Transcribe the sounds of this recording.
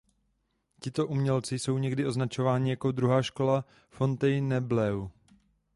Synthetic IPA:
cɪt̪o̞ʔumɲɛlt͡sɪso̞wɲɛɡdɪʔo̞znat͡ʃo̞vaːɲɪjako̞d̪ɾuɦaːʃko̞la | fo̞nt̪ɛjnɛblɛw

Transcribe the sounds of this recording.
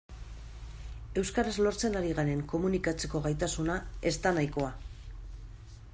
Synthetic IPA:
e̞wskaɾazlo̞ɾt͡se̞naɾiɣane̞ŋko̞munikat͡se̞ko̞ɣajt̪asunae̞st̪anajko̞a

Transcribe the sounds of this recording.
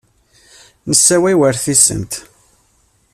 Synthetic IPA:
nəsːæwæjwəɾθisə̰nt̪

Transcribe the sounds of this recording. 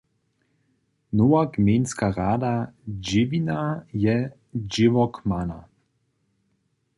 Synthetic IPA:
nowakmenskaʁaːd̪ad͡ʒɪvinajɛ | d͡ʒɪvɔkmana̰

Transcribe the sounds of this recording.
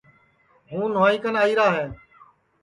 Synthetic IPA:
ɦũːnoːiːkənaːiːɾaːɦeː

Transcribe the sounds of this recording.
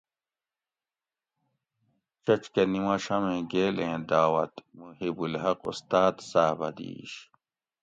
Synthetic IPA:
t͡ɕɐt͡ɕkenimɐɕɐmẽːɡeːlẽːd̪aːwɐ̰t̪muɦibulhɐqṵst̪aːt̪saːbɐd̪ḭːɕ

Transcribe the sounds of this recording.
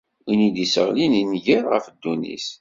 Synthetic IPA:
inid̪isə̰ʁlininʝəɾʁə̰fəd̪ːunḭs

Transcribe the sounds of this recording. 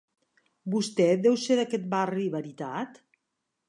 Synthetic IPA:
bust̪ɛd̪ɛwseðakɛt̪̚bariβəɾit̪at̪

